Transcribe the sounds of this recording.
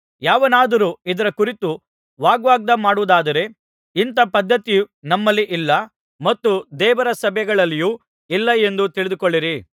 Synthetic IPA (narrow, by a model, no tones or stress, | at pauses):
jaːʋɐnaːd̪ɐɾuːid̪ɐɾɐkuɾit̪u | ʋaːɡʋaːɡ̚d̪ɐmaːɽuʋːd̪aːd̪ɐɾe̞ | int̪ɐpɐd̪ʱːɐt̪ijunɐmːɐlːiʔilːɐ | mɐt̪ːud̪ɛːʋɐɾɐsɐbʱjɛɐɡɐɭɐlːijuː | ilːɐe̞nd̪ut̪iɭid̪ukoɭːiɾi